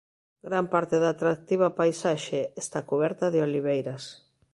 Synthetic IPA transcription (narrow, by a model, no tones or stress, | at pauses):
ɡɾampaɾt̪ɪðaːt̪ɾak̚t̪iβ̞apajsaʃeːst̪akuβɛɾt̪aðɪoliβejɾas